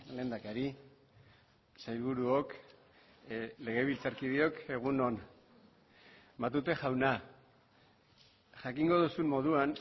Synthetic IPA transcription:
le̞ːnd̪akaɾi | sajlβuɾuok | le̞ɣ̞e̞βilt͡saɾkið̞io̞ke̞ɣ̞uno̞n | mat̪ut̪e̞ʝawna | ʝakiŋɡo̞ð̞usummo̞ð̞uan

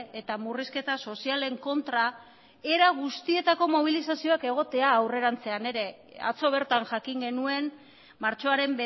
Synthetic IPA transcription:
e̞t̪amuriske̞t̪aso̞siale̞ŋko̞nt̪ɾa | e̞ɾaɣ̞ust̪ie̞t̪ako̞mo̞β̞ilisasio̞ake̞ɣ̞o̞t̪e̞aːwre̞ɾant͡se̞ane̞ɾe̞ | a̰t͡so̞β̞e̞ɾt̪anʝakiŋɡe̞nue̞n | maɾt͡ʃo̞aɾe̞mbe

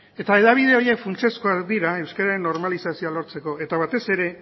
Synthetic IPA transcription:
e̞t̪ae̞ðaβ̞ið̞e̞o̞ɾjekfunt͡ʃe̞sko̞akd̪iɾae̞wskaɾaɾe̞nːo̞ɾmalisasio̞alo̞ɾt͡se̞ko̞e̞t̪aβ̞at̪e̞se̞ɾe̞

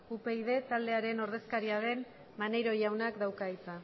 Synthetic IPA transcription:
upe̞iðe̞t̪ald̪e̞aɾe̞no̞ɾð̞e̞skaɾiaðe̞n | mane̞jɾo̞jawnakd̪awkait͡sa

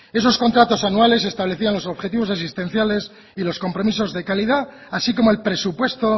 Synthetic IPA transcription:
e̞s̬o̞sko̞nt̪ɾat̪o̞sanuale̞s̬e̞st̪aβle̞θianlo̞so̞βxe̞t̪iβo̞s̬as̬ist̪e̞n̟θjale̞s | ilo̞sko̞mpɾo̞mis̬o̞zðe̞kaliðaasiko̞moelpɾe̞supwe̞st̪o̞

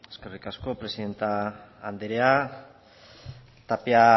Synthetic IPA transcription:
eske̞rikasko̞pɾe̞siðe̞nt̪aːnd̪eɾea | t̪apea

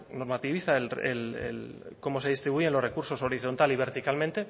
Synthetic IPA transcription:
no̞ɾmat̪iβiθaelrḛlḛl | ko̞mo̞seist̪ɾiβuʝe̞nlo̞re̞kuɾso̞so̞ɾiθo̞nt̪aliβ̞e̞ɾt̪ikalmẽnt̪e̞

